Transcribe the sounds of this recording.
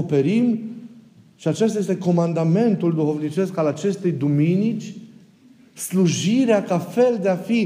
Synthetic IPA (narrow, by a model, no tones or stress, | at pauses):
ope̞ɾim | ʃiat͡ʃest̪aje̞st̪eko̞mand̪ame̞nt̪uld̪uxo̞vnit͡ʃe̞skalat͡ʃe̞st̪e̞jd̪uminit͡ʃʲ | sluʒiɾeakafe̞ld̪eafi